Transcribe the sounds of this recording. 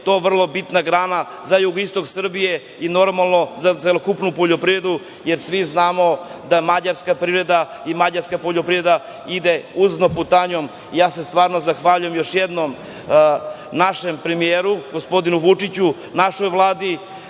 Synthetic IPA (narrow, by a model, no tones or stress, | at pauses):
t̪o̞ːʋr̩lˠo̞bit̪naɡɾaːna | zajuɡoist̪o̞ksr̩bije̞ | ino̞ɾmalˠno̞zaelokupnupoʎo̞pɾivɾe̞d̪u | jeɾsʋiznaːmo̞d̪amad͡ʑaɾskapɾivɾe̞d̪a | imad͡ʑaɾskapoʎopɾiɾed̪a | id̪euznoput̪aɲo̞m | ijaːsest̪ʋaːɾnozaxʋaːʎujemjo̞ʃjed̪nom | naʃempɾemijeɾuɡospo̞d̪inuʋut͡ʂit͡ɕu | naʃojvlˠaːd̪i